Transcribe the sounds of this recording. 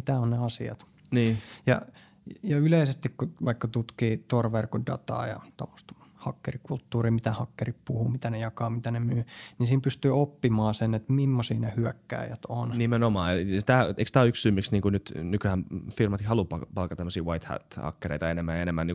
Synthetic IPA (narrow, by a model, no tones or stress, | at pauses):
mit̪æonneɑsiɑ̰t̪ | niːjɑ̰ | jɑyleisest̪ikkuʋɑikːɑt̪ut̪kiːt̪orʋerkodɑ̰t̪ɑ̰ːjɑ̰t̪o̰mːo̥st̪hɑkːerikult̪ːuːriːmit̪æhɑkːerippuhumit̪ænejɑkɑːmit̪ænemyːnisiːmpyst̪yːopːimɑːsenet̪mimːosiːnehyækːæ̰ːjæt̪onnimenomɑːst̪æeikst̪æoykssyːmːiksniːŋkunyt̪nykyhæmfirmɑt̪ihɑlupɑpɑlkɑt̪æmːøsiːʋɑit̪hæ̰t̪hɑ̰kːerḛit̪ɑenemːæenemːæniː